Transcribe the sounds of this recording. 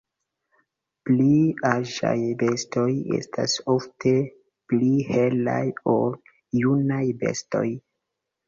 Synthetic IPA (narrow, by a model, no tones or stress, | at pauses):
pliaʒa̰jbe̞sto̞je̞̰stʰa̰so̞ftʰe̞ | plihe̞la̰jo̞l | junajbe̞̰sto̞̰j